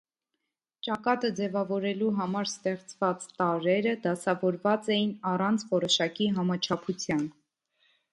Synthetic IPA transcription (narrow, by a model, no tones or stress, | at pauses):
t͡ʃɑkɑt̪əd͡zɛvɑvɔɾɛluɦɑmɑɾst̪ɛχt͡svɑt͡st̪ɑɾɛɾəd̪ɑsɑvɔɾvɑt͡sɛjinɑrɑnt͡sʰvɔɾɔʃɑkiɦɑmɑt͡ʃʰɑpʰut͡sʰjɑn